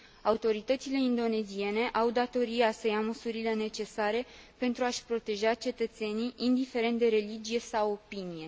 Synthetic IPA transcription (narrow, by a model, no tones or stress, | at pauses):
aut̪o̞ɾit̪ət̪sile̞ind̪o̞ne̞zie̞ne̞ʔawd̪at̪o̞ɾiasəjaməsuɾile̞ne̞t͡ʃe̞saɾe̞pe̞nt̪ɾuaʃʲpɾo̞t̪e̞ʒat͡ʃe̞t̪ət̪se̞niʔind̪ife̞ɾe̞nt̪̚d̪e̞ɾe̞lid͡ʒije̞sawo̞pinije̞